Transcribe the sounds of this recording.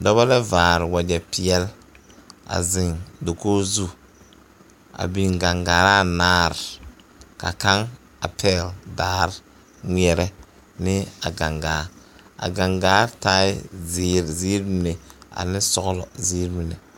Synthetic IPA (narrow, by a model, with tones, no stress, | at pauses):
dɔ˦βa˦lɛ˦vaː˨ɾɪ˨wa˨d͡ʒɛ˨pi˨ɛ˦l | a̰˨zɪ˨ŋdo˨koː˦zu˦ | a̰˨bi˨ŋɡa˨ŋɡaː˨ɾa˦˨naː˦ɾɪ˨ | ka̰˨ka˦ŋ | a̰˨pʰɛː˦˨ldaː˦ɾ | ŋʷi˦ɛ˨ɾɛ˦ | nɪ˦a˨ɡa˨ŋɡaː˨˦ɾ | a̰˨ɡa˨ŋɡaː˨˦ɾtaː˦ɪ˦zɪː˦ɾziː˦ɾbi˦ne˨a̰˨nɪ˦sɔ˦ɣʊ˦lɔ˨ziː˦ɾbi˨nɛ˨